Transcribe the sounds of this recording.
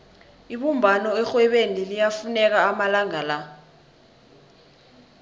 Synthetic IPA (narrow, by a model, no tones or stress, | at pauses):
iɓumbʱanɔɛxwɛɓenilijafunɛk̬aːmalaŋala